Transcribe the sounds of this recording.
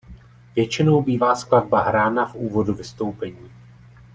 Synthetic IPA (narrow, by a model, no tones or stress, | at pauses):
vjɛt͡ʃɪno̞wbiːvaːsklad̚baɦɾaːnafʔuːvo̞duvɪst̪o̞wpɛɲiː